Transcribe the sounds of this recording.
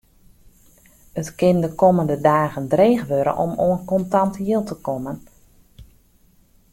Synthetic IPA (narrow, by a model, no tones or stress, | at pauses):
ətkɪndəkoməndədaːɣəndreːxʋøɾə̰ʔɔ̰moənkɔntantjɪlˠtəkomən